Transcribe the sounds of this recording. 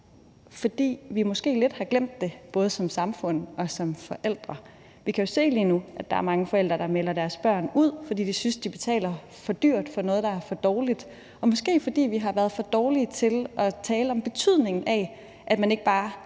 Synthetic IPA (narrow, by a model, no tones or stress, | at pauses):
fɒ̽d̥ḭːʋimɔ̽sɡ̥e̝̰ːle̝d̥hɑ̈ɡ̥lem̰d̥ːe̝b̥ɔ̽ːð̞̩ˠəsɒ̽msɑ̈mfɔ̽n̰ɒ̽sɒ̽mfɒ̽ʔel̰d̥ʁɐ | ʋikʰæjo̝se̝̰ːliːnuʔæd̥ɑ̈æɐmɑ̈ŋəfɒ̽el̰d̥ʁɐd̥ɑ̈melɐɾæɐsb̥ɶɐ̰nuð̞̰ˠfɒ̽d̥ḭːd̥isynsd̥ib̥e̝t͡sʰɛ̰ːlɐ | fɒ̽d̥yɐ̰d̥fɒ̽nɔ̽ːð̞̩ˠd̥ɑ̈æɐfɒ̽d̥ɒːlid̥ | ɒ̽mɒ̽sɡ̥e̝̰ːfɒ̽d̥ḭːʋiɦɑ̈ʋæɐð̞̩ˠfɒ̽d̥ɒːlit͡sʰe̝lʔɒ̽t͡sʰɛːləɒ̽mb̥e̝t͡sʰyð̞̰ˠne̝ŋn̩ʔæ | ʔæd̥mæne̝ɡ̥əb̥ɑ̈ː